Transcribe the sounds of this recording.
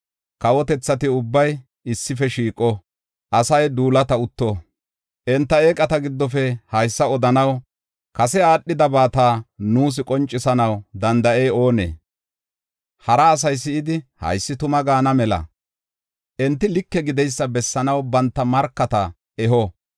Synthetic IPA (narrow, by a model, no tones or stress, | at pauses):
kɐwɔt̪ɛt͡sːɐt̪ɪʊbːɐj | ɪsːɪfɛʃiːkʼːɔ | ʔɐsɐjd̪uːlɐt̪ɐʊt̪ːɔ | ʔɛnt̪ːɐeːkʼɐt̪ɐɡɪd̪ːɔfɛhɐjsːɐɔd̪ɐnɐw | kɐsɛaːɗːɪd̪ɐbaːt̪aːnuːs̬ɪkʼɔnt͡ʃʼːɪsɐnɐwd̪ɐnd̪ɐʔɛjo̞ːnḛː | hɐɾɐːs̬ɐjsɪɪd̪ɪhɐ̰jsːɪt̪ʊmɐɡaːnɐmɛlɐ̰ | ʔɛnt̪ːɪlɪkːɛɡɪd̪ɛjsːɐbɛsːɐnɐwbɐnt̪ːɐmɐɾkːɐt̪ɐ | ɛɦɔ